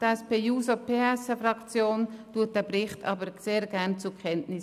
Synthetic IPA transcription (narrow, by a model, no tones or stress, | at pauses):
tɛspeːjuːsopʰeːɛsəfɾɑkt͡sjoːntuət̚d̥ɛːbɾɪχtʰɑ̰bəɾseːɾɡ̥ænt͡sʊkʰɛntnɪs